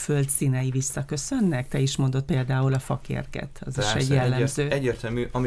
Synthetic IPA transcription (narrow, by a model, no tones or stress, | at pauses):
fø̞lt̪sinɛjivisːɒkø̞sø̞nːɛkt̪ɛiʃmo̞nd̪o̞t̪̚peːld̪aːulɒfɒkḛrɡɛ̰t̪ɒ̰ziʃɛɟjɛlːɛmzøːɛɟːeːrt̪ɛlmyʔɒmi